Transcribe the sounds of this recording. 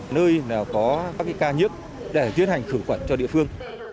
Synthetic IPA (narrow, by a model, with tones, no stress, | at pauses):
nəː˧jnaː˨˩wkɔ˨˦ka˦˥k̚ːaː˨˦kaː˧ɲi˦˥ək̚ | ɗe˧˩zwi˧ənha˨˩jŋ̟xɨ˧˩wkwə˧˩nt͡ɕɔ˧ɗḭ˧əfɨ˧əŋ